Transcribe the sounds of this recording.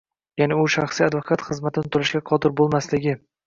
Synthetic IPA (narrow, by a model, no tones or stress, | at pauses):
janɪʊʃaχsiad̪vokʰat̪χɨzmat̪ʰɪnɪt̪ʰʊɾɪʃɡʲaqʰɒd̪ɪɾbolˠmaslɪɡʲɪ